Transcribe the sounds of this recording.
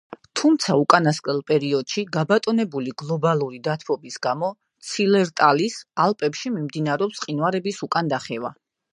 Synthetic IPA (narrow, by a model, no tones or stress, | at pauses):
t̪ʰumt̪sʰaukʼanaskʼlɛlˠpʼɛɾiɔd̪̥ʃiɡabat̪ʼɔnɛbuliɡlˠɔbalˠuɾid̪at̪ʰvɔbisɡamɔ | t̪sʰilɛɾt̪ʼalisalˠpʼɛpʃimimd̪inaɾɛɔpsqʼinwaɾɛbisukʼand̪aχɛva̰